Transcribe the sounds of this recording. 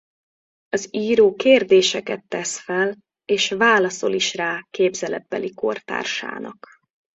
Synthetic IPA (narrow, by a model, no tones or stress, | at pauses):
ɒziːɾoːkeːrd̪eːʃɛkɛt̪ːɛsfɛl | eːʃvaːlɒso̞liʃraːkeːbzɛlɛbːɛliko̞rt̪a̰ːrʃa̰ːnɒ̰k